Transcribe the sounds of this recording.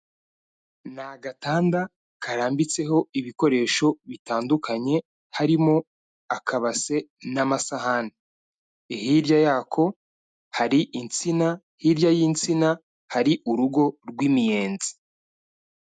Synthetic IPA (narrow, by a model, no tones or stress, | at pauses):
naɡataːnda | kʰaɾaːmbit͡se̞ɦo̞iβiko̞ɾe̞ːʃo̞βitaːndukaɲe̞ | haɾimo̞ | akʰaβase̞namasahane | ihiɾjajaːkʰo̞ | haɾiʔint͡sina | hiɾjajiːnt͡sina | haɾiʔuɾuɡo̞ɾɡwiːmije̞ːnzi̥